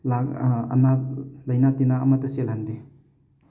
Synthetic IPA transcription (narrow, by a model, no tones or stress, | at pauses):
laɐ̰nalɐjnatinaːmatɐselɦand̪i